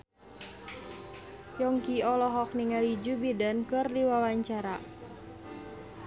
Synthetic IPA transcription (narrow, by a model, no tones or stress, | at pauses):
jɔŋkiɔlɔɦɔk̚niŋalid͡ʒubidankɨrdiwawaɲt͡ʃaɾa